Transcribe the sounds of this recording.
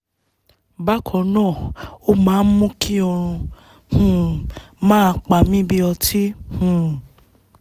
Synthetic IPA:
ba˦kʰɔ˨nãː˦˨o˦mãː˦n̩˦mũ˦ki˦o˧ɾ̃ũ˧ | hũ˨mãː˦˧k͡pa˨mĩ˦bi˦ɔ˧tʰi˦hũ˨

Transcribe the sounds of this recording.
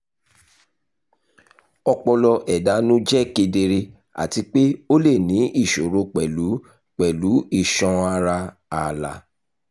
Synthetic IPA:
ɔ˧k͡pɔ˧lɔ˧ʔɛ˨da˨˦nũ˦d͡ʒɛ˦˨ke˧de˧ɾe˧ | a̰˨ti˧˦k͡pe˦o˦le˦˨nĩ˨˦i˦˨ʃo˨ɾo˧k͡pɛ˨lu˨˦ | k͡pɛ˨lu˨˦i˦˨ʃɔ̃˨˧a˧ɾa˧ | a˨la̰˨

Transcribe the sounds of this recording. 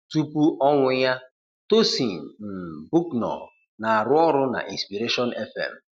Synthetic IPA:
tu˦pu˦ʔɔ˦ŋʷʊ˦ja˦ | to˦si˨n̩˨m̩˨bu˦knɔ̰˨ | na˨a˨ɾʊ˦ɔ˦ɾʊ˦na̰˨ʔi˨nspi˨ɾe˦ʃɔ˦nɛ˦fɛ̰˨m̩˨

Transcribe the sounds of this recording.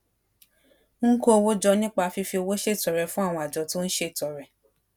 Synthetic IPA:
ŋ̩˦ko˦o˧wo˦d͡ʒɔ˧nĩ˦k͡pa˧fi˧fi˧o˧wo˦ʃe˦i˨tɔ˨ɾɛ˨fũ˦a˦˨w̃ɔ̃˧˨a˨d͡ʒɔ˨˦to˦ñ̩˦ʃe˦i˨tɔ˨ɾɛ˨

